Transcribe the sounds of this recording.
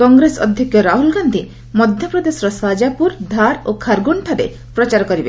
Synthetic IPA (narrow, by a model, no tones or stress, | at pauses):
kɔŋɡɾesɔ̰d̪ʱjɔkjɔɾaɦulɡand̪ʱi | mɔd̪ʱjɔpɾɔd̪esɔɾɔswad͡ʒapuɾd̪ʱaɾokʰaɾɡuɳʈʰaɾḛ | pɾɔt͡ʃaɾɔkɔɾibe